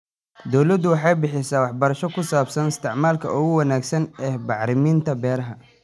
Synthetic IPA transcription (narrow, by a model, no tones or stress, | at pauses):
d̪ɔwlɐd̪ʊwɑħɑjbɪħɪsaːwɑħbɐɾɐʃɔkʰʊsaːbsɐnɪst̪ʰɪʕmaːlkʰɐ̰ʊɣʊwɐnaːɡsɐnɛːbɑʕɾɪmiːnt̪ʰɐbɛːɾɐɦɐ